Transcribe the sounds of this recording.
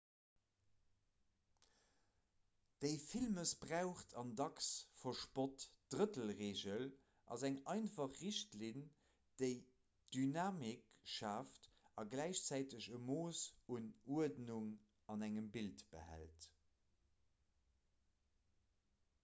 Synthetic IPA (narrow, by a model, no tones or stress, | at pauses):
d̥əɪfilməsb̥ʁaʊχtʰɑndɑksfɐʃpotd̥ʁətəlʁeːʑəl | ʔɑ̰zæŋɑɪnfɑχːiʃtlin | d̥əɪ | d̥ynaːmikʃaːftɑɡlæɪɕt͡sæɪtəʑəmoːsunuədnuŋ | ɑnæŋəmbiltb̥ə̰hæ̰lt